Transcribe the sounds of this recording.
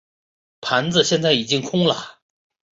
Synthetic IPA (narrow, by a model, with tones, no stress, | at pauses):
pʰa˧˥nd͡z̩˧ɕjɛ˥˧nt͡sa˥˩ɪi˨˩t͡ɕi˥ŋkʰʊ˥ŋlə˨